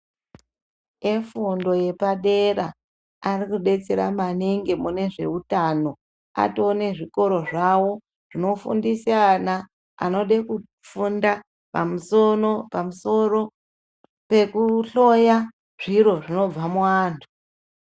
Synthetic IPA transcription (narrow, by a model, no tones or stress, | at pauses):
efundo̞je̞paɗera | arikuɗe̞t͡se̞ɾa̰maneŋɡe̞mune̞ʐe̞̰utano̞ | a̰tone̞ʐiko̞ɾo̞ʐawo̞ | ʐ̥ino̞fṵndisana | a̰no̞ɗeku | funda | pamuso̞ro̞pamuso̞ro̞ | pekuɬo̞ja | ʐ̥iɾo̞ʐino̞b͡vamuaːntʰu̥